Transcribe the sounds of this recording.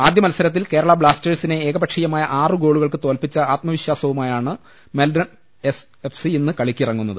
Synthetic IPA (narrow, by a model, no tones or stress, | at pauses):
aːd̪ʱjɐmɐlsɐɾɐt̪ːilke̞ːɾɐɭɐbɭaːsteːɖsine̞eːɡɐbɐʈʂijɐmaːjɐʔaːrɨɡo̞ːɭuɣɐɭkɨt̪o̞ːlpit͡ɕːɐaːt̪̚mɐʋiɕjaːsɐʋumaːjaːɳɨ | melɖrɐn | es | efsiinːɨkɐɭikʲːirɐŋːunːɐðɨ